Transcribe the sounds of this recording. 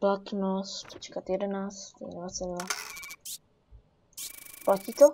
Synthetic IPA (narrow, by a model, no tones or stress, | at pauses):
plat̪nost̪t͡ʃɛ̥kat̪jɛdɛnaːt͡st̪ɦlasɪnla | placiːt̪o